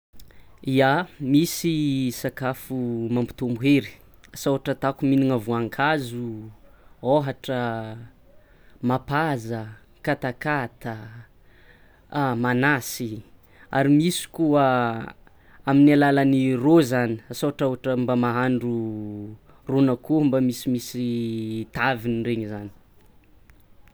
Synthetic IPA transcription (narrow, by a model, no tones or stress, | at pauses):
iamisisakafumambi̥t̪umbuɦeɾi̥ | asawaʈ͡ʂət̪akuminiŋavuaŋkʰazu | oɦaʈ͡ʂə | mapazə | kat̪akat̪ə | manasi | a̰ɾimisi̥kuə | aminialalanirozaniasawaʈ͡ʂaoaʈ͡ʂəmbamaɦaɳɖ͡ʐu | ronakumbamisimisit̪avinireɲizani̥